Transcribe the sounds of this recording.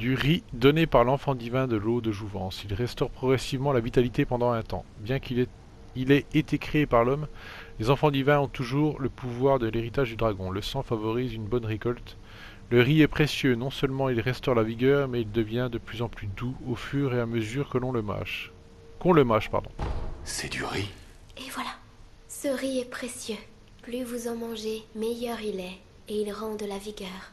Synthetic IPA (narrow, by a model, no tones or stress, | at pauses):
d̪yʁid̪ɔnepaʁlɑ̃fɑ̃d̪ivɛ̃d̪əlod̪əʒuvɑ̃silʁɛst̪ɔʁpχɔɡʁɛsivmɑ̃lavit̪alit̪epɑ̃d̪ɑ̃ɛ̃t̪ɑ̰̃bjɛ̃k | ilɛet̪ekχeepaʁlɔmlezɑ̃fɑ̃d̪ivɛ̃ɔ̃t̪uʒuʁləpuvwaʁd̪əleʁit̪aʒd̪yd̪ʁaɡɔ̃ləsɑ̃favɔʁizynbɔnʁekɔlt̪ | ləʁiɛpχesjønɔ̃sœlmɑ̃ilʁɛst̪ɔʁlaviɡʲœʁmɛild̪əvjɛ̃d̪əplyzɑ̃plyd̪uofyʁeaməzyʁkəlɔ̃ləma̰ʃ | kɔ̃ləmaʃpa̰ʁd̪ɔ̃sɛd̪yʁi | evwala | səʁiɛpχesjø | plyvuzɑ̃mɑ̃ʒemejœʁilɛ | eilʁɑ̃d̪əlaviɡœːʁ